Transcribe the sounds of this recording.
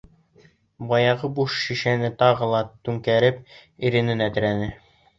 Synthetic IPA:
bɑjɑʁɤbuʃʃiʃænɘt̪ɑʁɤ̆lˠɑt̪ʉŋkæɾɘp̚iɾɘ̆nɘnæt̪ɘ̆ɾænɘ

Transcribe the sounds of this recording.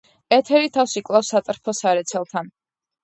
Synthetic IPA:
ɛt̪ʰɛɾit̪ʰafsikʼlˠafsat̪ʼɾpʰɔsaɾɛt̪sʰɛlˠt̪ʰan

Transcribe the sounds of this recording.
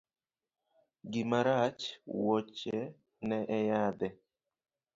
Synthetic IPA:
ɡɪmaɾat͡ʃwot͡ʃɛ | nɛʔɛjad̪ɛ

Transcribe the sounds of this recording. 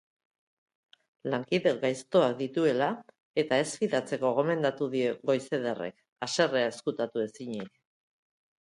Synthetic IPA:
laŋkiðeɡajst̪o̞ak̚d̪it̪ue̞la | e̞t̪ae̞sfiðat͡se̞ko̞ɣ̞o̞me̞nd̪at̪uðie̞ɣo̞jse̞ðere̞̰k | ase̞reae̞skut̪at̪ue̞siɲik

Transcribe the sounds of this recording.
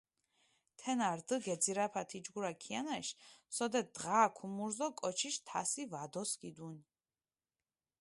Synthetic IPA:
t̪ʰɛnaɾd̪əɡɛd̪ziɾapʰat̪ʰid͡ʒɡuɾakʰianaʃsɔd̪ɛd̪ʁaːkʰumuɾzɔkʼɔt͡ʃʰiʃt̪ʰa̰sivad̪ɔsɡid̪uni

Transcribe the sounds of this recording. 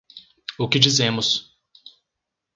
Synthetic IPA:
ʊkɪd͡ʒizẽmʊs

